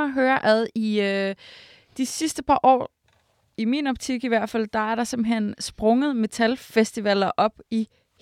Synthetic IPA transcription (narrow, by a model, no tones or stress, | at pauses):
ɦøːɐʔæðˠiø | d̥isisd̥əpʰɑ̈ʔɒ̰ː | iminɒ̽b̥t͡sʰiɡ̥iʋæɐ̰d̥fæl̰d̥ɑ̈æɐɾ̥ɑ̈semb̩ɦen̰sb̥ʁɔ̽ŋəð̩ˠme̝t͡sʰælfesd̥iʋɛl̰ɐʔɒ̽b̥i | h